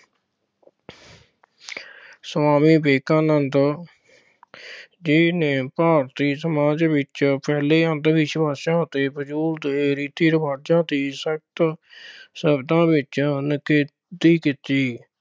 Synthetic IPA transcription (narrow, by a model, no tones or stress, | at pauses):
swaːmiːbeːkãːnənd̪ | d͡ʒiːnẽːpaːɾt̪iːsəmaːd͡ʒʋɪt͡ʃpɛːleːənd̪biːʃbaːʃãːt̪eːbəd͡ʒuːld̪eːɾiːt̪iːɾəbaːd͡ʒãːd̪iːsək̚t̪ | səbd̪ãːʋɪt͡ʃnəkeː | d̪iːkɪt̪iː